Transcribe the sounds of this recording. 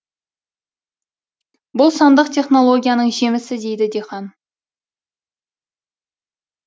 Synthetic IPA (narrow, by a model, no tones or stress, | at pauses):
bʊlˠsɑnd̪əqt̪ʰe̞χno̞lˠo̞ɡʲijanəɴʒe̞mɪsɪd̪e̞jd̪ɪd̪eχɑn